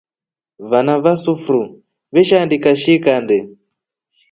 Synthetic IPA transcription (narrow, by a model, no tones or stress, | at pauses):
βanaβasufɾu | βɛʃandikaʃikandɛ